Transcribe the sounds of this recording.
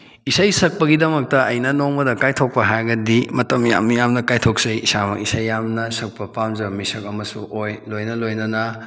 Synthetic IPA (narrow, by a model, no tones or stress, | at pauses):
isajsɐk̚pɐɡidɐmɐk̚tɐɐjnɐnoŋmɐdɐkajtʰok̚pɐɦajɡɐdimɐtɐmja̰mjamnɐkajtʰok̚sɐjisamɐ̰kisajːamnɐsɐk̚pɐpamzɐmisɐkɐmɐsṵʔojlojnɐlojnɐnɐ